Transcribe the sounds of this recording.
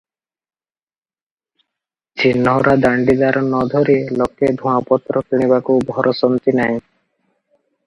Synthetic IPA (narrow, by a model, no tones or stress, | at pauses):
d͡ʑinːɔɾad̪aɳɖid̪aɾɔnɔd̪ʱoɾilɔked̪ʱuapɔt̪ːɾɔkiɽ̃iβakubʱɔɾʔɔsɔnt̪inaj̃